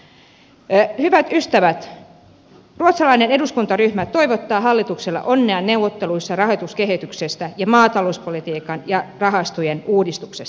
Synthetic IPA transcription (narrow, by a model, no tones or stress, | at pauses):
hyʋæt̪yst̪æʋæt̪ | ruot̪sɑlɑine̞ne̞duskunt̪ɑryhmæt̪o̞iʋot̪ːɑːɦɑlːit̪ukselːɑ̰ʔo̞nːeɑnːe̞wːot̪ːe̞luisːɑrɑɦot̪uske̞ɦit̪yksest̪æjɑmɑːt̪ɑlouspolit̪iːkɑnjɑrɑɦɑst̪ujenuːdist̪uksest̪ɑ